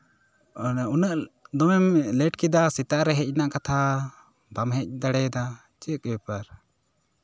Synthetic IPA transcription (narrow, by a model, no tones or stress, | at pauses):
unəʔd̪ɔmɛmlɛʈkid̪asit̪aʔɾɛɦɛc̚naʔkat̪ʰa | bamɦɛc̚ˀd̪aɽɛd̪a | t͡ʃikɛpəɾ